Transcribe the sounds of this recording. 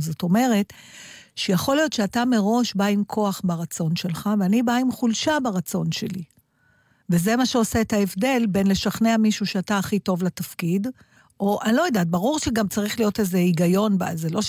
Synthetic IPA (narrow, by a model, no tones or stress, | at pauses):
zo̞t̪o̞me̞ʁe̞t | ʃejaχo̞lijo̞t̪ʃeatame̞ʁo̞ʃbaimkʰo̞aχbaʁat͡so̞nʃe̞lχaveanibaimχulʃabaʁat͡so̞nʃe̞li | veze̞maʃeo̞se̞ːthaevde̞lbe̞nle̞ʃaχne̞amiʃuʃeataːχito̞vlatafkid | ʔo̞ʔanlo̞jedaːt̚baʁuʁʃeɡamt͡saʁiχlijo̞te̞zeiɡajo̞nbazelo̞ʃ